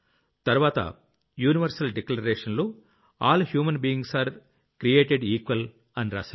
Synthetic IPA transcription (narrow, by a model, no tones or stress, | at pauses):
t̪ɐɾʋaːt̪ɐ̰ | juːniʋɐɾsɐlɖɛklɐɾeːʂɐnloː | aːlhjuːmɐnbiːiŋɡsaːɾ | kɾijeːʈeɖiːkʋɐl | ɐnɾa̰ːsɐ